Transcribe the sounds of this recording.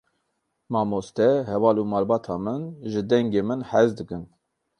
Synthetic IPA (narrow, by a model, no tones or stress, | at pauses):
mɑːmoːst̪ɛhɛvɑːluːmɑːlbɑːt̪ʰɑːmɨnʒɨd̪ɛŋɡeːmɨnhɛzd̪ɨkɨn